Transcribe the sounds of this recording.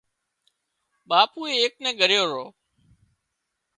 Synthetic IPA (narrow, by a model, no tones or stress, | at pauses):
ɓaːpuːeːeːk̚nɛ̃ːɡʱəɾɪjoːɾoː